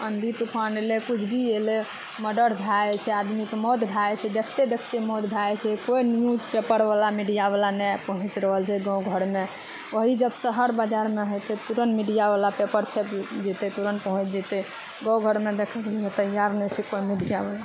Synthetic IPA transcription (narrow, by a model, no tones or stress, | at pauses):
ənd̪ʱit̪upʰanelekut͡ʃʰbiele | məɖəɾbʱjaet͡ʃʰɛad̪mikemɔd̪bʱajt͡ʃʰɛd̪ekʰt̪ed̪ekʰt̪emɔd̪bʱjajt͡ʃʰɛkoinjud͡ʒpepəɾbalamiɖijaβəlanɛpəɦũt͡ʃɾəɦəlt͡ʃʰɛɡə̃wɡʱəɾme | oɦid͡ʒəbsəɦəɾbad͡ʒaɾmeɦojt̪ɛt̪uɾənmiɖijabalapepəɾt͡ʃʰepd͡ʒit̪ɛt̪uɾənpəɦũt͡ʃd͡ʒit̪ɛ | ɡə̃wɡʱəɾmed̪ekʰəɡeliɛt̪əjaɾnɛt͡ʃʰɛkoimiɖijabəla